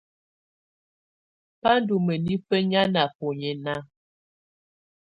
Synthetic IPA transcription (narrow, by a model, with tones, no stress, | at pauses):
pa˦n˦du˨mə˨ni˦fə˦ɲa˦na˨po˨ɲɛ˨na˦